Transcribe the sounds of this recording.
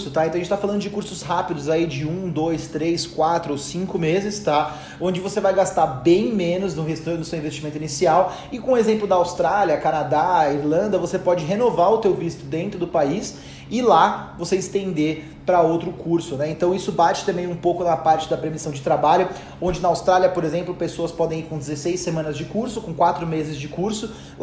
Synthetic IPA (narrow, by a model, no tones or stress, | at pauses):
sʊt̪ajẽɐ̃ɐẽt͡ʃt̪afalɐ̃nd̪ʊd͡ʒɪkuɾsʊshapid̪ʊzaid͡ʒɪũd̪ojst̪ɾeskwat̪ɾʊowsĩŋkʊmezɪst̪a | õd͡ʒɪvosevajɡast̪aɾbẽj̃mẽnʊznʊest̪nʊsewĩvest͡ʃimẽnʊinisiaw | ɪkõʊezẽmplʊd̪ɐawst̪ɾaliɐkanad̪aiɾlɐ̃nd̪ɐvosepɔd͡ʒɪɦenovaɾʊt̪ewvist̪ʊd̪ẽnt̪ɾʊd̪ʊpais | ɪlavoseɪst̪ẽnd̪eɾ | pɾɐowt̪ɾʊkʰuɾsʊnɛẽnt̪ɐ̃w̃isʊbat͡ʃɪ̥t̪ɐ̃mbẽj̃ũpowkʊnɐpaɾt͡ʃɪd̪ɐpɾemisɐ̃w̃d͡ʒɪt̪ɾabaʎʊ | õd͡ʒɪnɐawst̪ɾaliɐpoɾezẽmplʊpesoɐspɔd̪ẽj̃iɾkõd͡ʒ̪ɪzesejsːemɐ̃nɐzd͡ʒɪkuɾsʊkõkwat̪ɾʊmezɪzd͡ʒɪkuɾsʊ